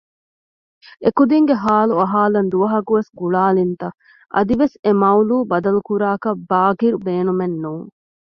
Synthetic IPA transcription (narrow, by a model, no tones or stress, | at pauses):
ekud̪iŋɡeɦaːluɐɦaːlɐnd̪uʋɐɦɐkuʋesɡuɭaːlint̪ɐ | ʔɐ̰d̪iʋesemɐwluːbɐd̪ɐlukuɾaːkɐbaːɡiɾubeːnumenːuːŋ